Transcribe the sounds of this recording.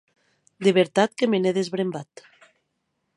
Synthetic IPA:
d̪eβeɾt̪at̪̚kemeneðezβɾembat̪

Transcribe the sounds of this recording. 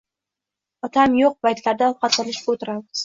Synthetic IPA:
ɒt̪ʰamjoq̚pajt̪laɾd̪aɒlˠqɑt̪ɪlɪʃpot̪ɪɾald̪ɪ̥

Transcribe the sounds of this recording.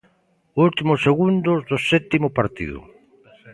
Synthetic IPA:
ult̪imoseɣund̪ozðosɛt̪imopaɾt̪ḭðʊ̰

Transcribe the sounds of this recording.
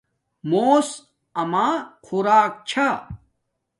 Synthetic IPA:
moːs | ɐmaːkʰuɾaːk̚t͡ɕʰa

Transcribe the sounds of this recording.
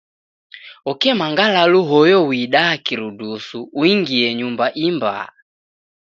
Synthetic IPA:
ɔkɛmaŋɡalaluɦɔjɔwiɗaːkiɾudusuːiŋɡiɛɲumbaʔimba̰

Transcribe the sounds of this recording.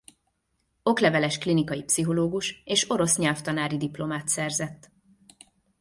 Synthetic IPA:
o̞klɛvɛlɛʃklinikɒjipsiɦo̞loːɡuʃeːʃo̞ɾo̞sɲɛlft̪ɒnaːɾid̪iplo̞maːt̪sɛrzɛt̪ː

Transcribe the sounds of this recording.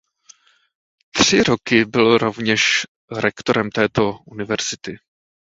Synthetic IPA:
t̪r̝̥ɪɾokɪbɪlɾo̞vɲɛʃ | ɾɛkt̪oɾɛmt̪ɛːt̪o̞ʔunɪvɛɾz̥ɪt̪ɪ

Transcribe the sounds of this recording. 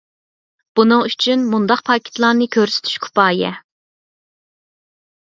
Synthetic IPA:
b̥unɨŋyt͡ʃʰynmund̪ɑq̚pʰɑkʲʰe̥t̪ʰlˠɑnɨkʲʰøɾsy̥t̪ʰy̥ʃkʲʰu̥pɑːjɛ̰

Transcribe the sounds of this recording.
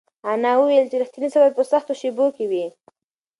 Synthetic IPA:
anɑwəwelt͡ʃɪɾaxt̪inisabajpəsaxt̪oʃebokewi

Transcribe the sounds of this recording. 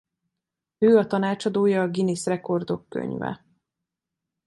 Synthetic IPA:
øːɒt̪ɒnaːt͡ʃɒd̪oːjɒːɡinisrɛko̞rd̪o̞kːø̰ɲvɛ̰

